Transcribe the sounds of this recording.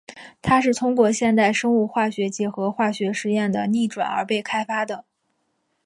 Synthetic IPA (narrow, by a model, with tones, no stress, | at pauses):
t̪ʰa˥ʂɻ̩˥˩t̪ʰʊ˥ŋkwɔ˥˧ɕjɛ˥˧nt̪a˥˩ɪʂɤ˥ŋu˥˧xwa˥˩ɕɥɛ˧˥t͡ɕjɛ˧˥xɤ˧˥xwa˥˩ɕɥɛ˧˥ʂɻ̩˥˧jɛ˥˩nd̪ə˩ni˥˩ʈ͡ʂwa̰˨˩nə̰˞˧˥pe˥˩ɪkʰa˥ɪfa˥d̪ə˨